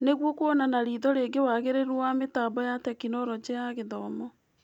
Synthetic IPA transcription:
neɣwɔkoɔnanaɾiːðɔɾeɡewaɣeɾeɾwowametaːbɔjatɛkinɔɾɔd͡ʑejaɣeðɔmɔ

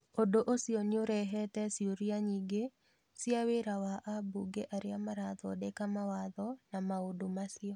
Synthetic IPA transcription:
odoʔosiɔnɪoɾɛɦɛtɛsioɾiaɲiɡe | siaweɾawaʔabuɡeʔaɾɪamaɾaðɔdekamawaðɔnamaodomasɪɔ

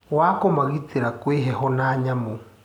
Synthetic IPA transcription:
wakomaɣiteɾakweɦɛɦɔnaːɲamo

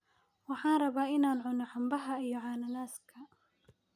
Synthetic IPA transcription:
wɑħɑːnrɐβaːɪnaːnʕʊnɔħambɐɦɐijɔʕaːnɐlaːskʰɐ

